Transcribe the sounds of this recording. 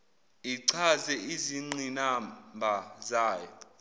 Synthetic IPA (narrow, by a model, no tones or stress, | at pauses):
iǀʰazɛʔiziŋ͡ǀinambʱazaːjɔ